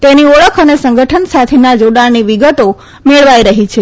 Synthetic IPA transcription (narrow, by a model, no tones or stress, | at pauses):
t̪eniɔɭəkʰənesəŋɡəʈʰənsat̪ʰenad͡ʒoɽaɭniʋiɡət̪o | meɭʋajɾəɦit͡ʃʰe